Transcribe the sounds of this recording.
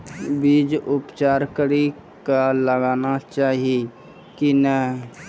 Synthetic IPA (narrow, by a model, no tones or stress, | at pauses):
biːd͡ʒʊpt͡ʃaːɾkəɾi | kaləɡaːnat͡ʃaːɦie | kinə